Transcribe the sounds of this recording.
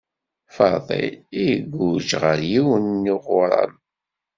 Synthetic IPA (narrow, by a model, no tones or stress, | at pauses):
fɑɾðˤḛlijɡuʒʁəɾjiwənːoʁʊɾˤɑ̰m